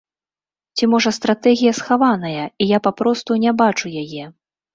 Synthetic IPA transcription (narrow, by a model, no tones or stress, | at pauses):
t͡sʲimɔʐɐst̪ɾat̪ɛɣʲijɐsxavanɐjɐijapapɾɔst̪unʲɛbat͡ʂujajɛ